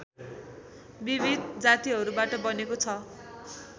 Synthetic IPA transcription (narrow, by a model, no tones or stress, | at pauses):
bibʱid̪d͡zat̪iɦʌɾubaʈʌbʌnekot͡sʰʌ